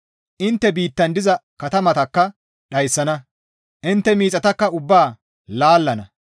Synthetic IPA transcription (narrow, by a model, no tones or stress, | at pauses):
ʔɪnt̪ːɛbiːt̪ːɐnd̪ɪzɐkɐt̪ɐmɐt̪ɐkːɐ | ɗɐjsːɐnɐ | ʔɪnt̪ːɛmiːt͡sʼɐt̪ɐkːɐʊbːaː | laːlːɐnɐ